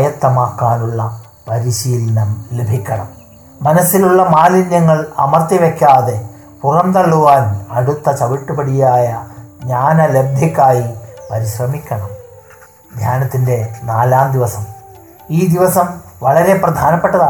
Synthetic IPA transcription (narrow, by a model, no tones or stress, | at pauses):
jɐt̪ːɐmaːkːaːnuɭːɐ | pɐɾiɕiːlɐnɐmlebʱikʲːɐɳɐ̰mː | ɐnɐsːiluɭːɐmaːlinjɐŋːɐɭɐ̰mɐrt̪iʋekʲːaːðe̞ | purɐmt̪ɐɭːuʋaːnɐɽut̪ːɐt͡ɕɐʋiʈːupɐɽijaːjɐɲaːnɐlebʱjɐkːaːjipɐɾiɕrɐmikʲːɐɳɐm | d̪ʱjaːnɐt̪ːinde̞naːlaːmd̪iʋɐsɐm | iːd̪iʋɐsɐmʋɐɭɐɾe̞prɐd̪ʱaːnɐpːeʈːɐða